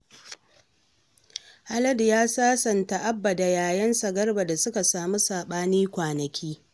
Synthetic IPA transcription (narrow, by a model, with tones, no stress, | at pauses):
ha˦lɐ˦djaː˦saː˦sɐ˨nta˨ʔa˦bːa˨da˨jaː˨jɐ˦nsɐ˨ɡɐ˦rba˨da˨sʊ˦ka˨saː˨mu˦saː˨ɓaː˦niː˦kʷaː˨nɐ˨kʲiː˦